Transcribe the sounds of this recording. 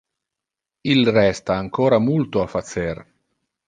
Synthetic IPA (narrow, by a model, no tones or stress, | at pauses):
ilrɛst̪aːŋkoːɾamult̪oafat̪ser